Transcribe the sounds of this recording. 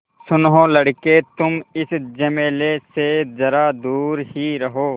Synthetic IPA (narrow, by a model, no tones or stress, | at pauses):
sʊnɦõlɐɽket̪ʊmɪsd͡ʒɐmeːlesezɐɾad̪uːɾhiɾɐɦoː